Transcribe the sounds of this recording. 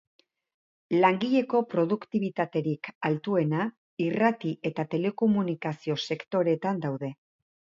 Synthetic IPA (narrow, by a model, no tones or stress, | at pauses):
laŋɡiʎe̞ko̞pɾo̞ðukt̪iβ̞it̪at̪e̞ɾikalt̪ue̞na | irat̪iʔe̞t̪at̪e̞le̞ko̞munikasio̞se̞kt̪o̞ɾe̞t̪and̪awðe̞